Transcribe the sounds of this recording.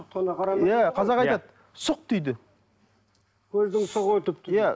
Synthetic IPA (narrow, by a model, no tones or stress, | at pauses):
t̪ɑnɑqɑɾɑjæqʰɑzɑqɑj̪ɑd̪ | sʊq̚t̪ʰʏjd̪ɪ | wɵzd̪ɪŋsʊʁət̪ɪp̚t̪ʰjæ